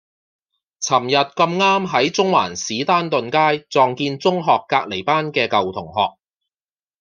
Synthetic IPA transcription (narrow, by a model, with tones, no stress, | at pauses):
t͡sʰɐ˨˩mjɐ˨t̚kɐ˧mŋaː˥mɦɐ˨˥jt͡sʊ˥ŋwa̰ː˨˩nsiː˨˥t̪aː˥nt̪ɵ˨nkaː˥jt͡sɔː˨ŋkiː˧nt͡sʊ˥ŋɦɔː˨kːaː˧k̚le˨˩jpaː˥nkɛː˧kɐ˨wt̪ʰʊ˨˩ŋɦɔː˨k̚